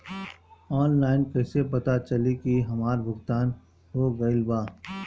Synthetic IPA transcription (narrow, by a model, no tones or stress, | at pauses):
ɔːnlaːɪnkɛːsepɐt̪at͡ʃɐlikiɦɐmaːɾbʱʊɡt̪aːn | ɦoːɡɐɪlbaː